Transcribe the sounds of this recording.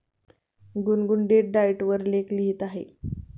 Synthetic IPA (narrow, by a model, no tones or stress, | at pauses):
ɡunɡuɳɖeʈ̚ɖaiʈʋəɾlekliɦit̪aɦḛ